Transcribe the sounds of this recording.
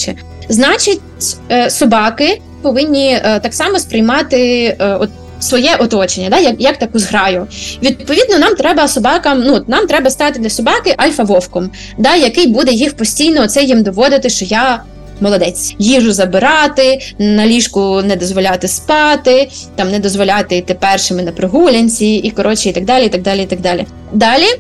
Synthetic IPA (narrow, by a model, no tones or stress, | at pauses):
t͡ʃɛ | znɑt͡ʃɪtʲsɔbɑkɪ | pɔʋɪnʲːit̪ɑksɑmɔspɾɪjmɑt̪ɪɔt̪̚ | sʋɔjɛʔɔt̪ɔt͡ʃenʲːɐd̪ɑjɐkjɐk̚t̪ɐkuzɦɾɑjʊʋʲid̪d̪̚pɔʋʲid̪nɔnɑmt̪ɾɛbɐsɔbɑkɐmnuɔt̪nɑmt̪ɾɛbɐst̪ɑt̪ɪd̪lʲɐsɔbɑkɪʔɐlʲfɐʋɔwkɔm | d̪ɑjɐkɪjbud̪ɛjixpɔsʲtʲijnɔɔt̪sɛjimd̪ɔʋɔd̪ɪt̪ɪʃt͡ʃɔjɑ | mɔlˠɔd̪ɛt͡sʲjiʒʊzɐbɪɾɑt̪ɪnɐlʲiʃkʊnɛd̪ɔzʋɔlʲat̪ɪspɑt̪ɪt̪ɑmnɛd̪ɔzʋɔlʲat̪ɪt̪epɛrʃɪmɪnɐpɾɪɦulʲɐnʲt͡sʲiikɔɾɔt͡ʃiit̪ɐɡ̚d̪ɑlʲiit̪ɐɡ̚d̪ɑlʲiit̪ɐɡ̚d̪ɑlʲḭ | d̪ɑlʲi